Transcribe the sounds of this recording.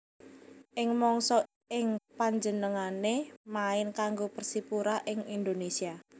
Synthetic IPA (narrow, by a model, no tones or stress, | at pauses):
ʔɪŋmɔŋsɔ | ɪŋpaɲd͡ʒənəŋanemaɪnkaŋɡopərsipuɾaʔɪŋind̪onesia